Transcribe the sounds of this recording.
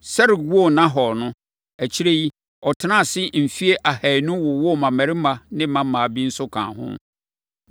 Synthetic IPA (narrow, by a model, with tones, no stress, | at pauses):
sɛ˦ɾɪ˨wu˦ɔ˦nã˦ɦɔ˨ɾnʊ̃˦ | æ˨t͡ɕʰi˦ɾe˦ji˦ | ɔ˨tʰɪ˦nã˦˨sɪ˦m̩˨fi˦e˦ʔa˨hæ˨nʊ̃˦wɔ˨wɔ˦˨mã˨mæ̃˨ɾɪ˦mã˨nɪ̃˦mã˦m˦mã˨bi˦n̩˦sʊ˦kʰã̰ː˨hʊ̰̃˦m